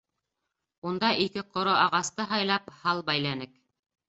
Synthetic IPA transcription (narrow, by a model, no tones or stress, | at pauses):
und̪ɑʔikɘqŏɾoʔɑʁɑst̪ɤɦɑjlˠɑphɑlˠbæjlænɘk